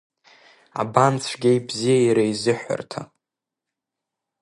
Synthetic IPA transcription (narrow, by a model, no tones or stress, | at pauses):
a̰bant͡sʷʰɡʲejbzijajɾaizɨħʷᶣa̰rtʰa̰